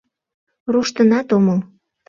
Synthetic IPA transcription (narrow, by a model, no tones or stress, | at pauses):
ruʃt̪ənɑt̪oməl